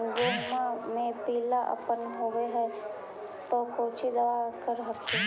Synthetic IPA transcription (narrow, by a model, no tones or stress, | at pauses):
nd͡ʒoːmãmẽpiːlaʔə̰pənɦoːɡeɦɛ | t̪okoːt͡ʃid̪ɐʋakəɾɦəkːi